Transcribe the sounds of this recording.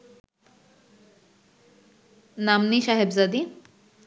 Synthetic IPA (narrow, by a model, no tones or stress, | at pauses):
namniʃaɦebzad̪i